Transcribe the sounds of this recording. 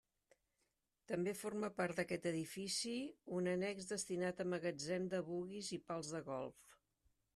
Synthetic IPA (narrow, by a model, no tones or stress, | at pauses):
t̪əmbeforməpaɾt̪̚d̪əkɛt̪əðifisiunənɛɡzd̪əst̪inat̪əməɣəd͡zɛnd̪əβuɣizipalˠzðəɣɔ̰lˠf